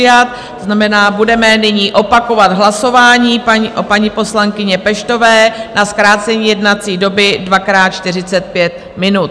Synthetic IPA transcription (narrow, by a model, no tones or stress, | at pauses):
ɪjat̪̚ | znamɛnaːbudɛmɛnɪɲiːʔo̞pako̞vad̪ɦlaso̞vaːɲiːʔopaɲipo̞slaŋkɪɲɛpɛʃt̪o̞vɛːnaskɾaːt͡sɛɲiːjɛdnat͡siːdo̞bɪdvakɾaːt̪̚t͡ʃt̪ɪr̝ɪt͡sɛt̪̚pjɛt̪̚ | mɪnut̪